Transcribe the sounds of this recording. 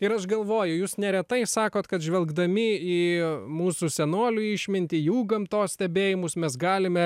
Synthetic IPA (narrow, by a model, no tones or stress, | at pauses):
ɪɾɐʃɡɐlˠʋoːjʊjuːsnʲɛɾʲɛt̪ɐɪsɑːkoːt̪kɐt̪ʒʲʋʲɛlˠɡd̪ɐmʲɪiːmuːsusʲɛnoːlʲuɪʃʲmʲɪnʲt̪ʲɪjuːɡɐmt̪oːssʲt̪ʲɛbʲeːjɪmʊsmʲɛsɡɑːlʲɪmʲɛ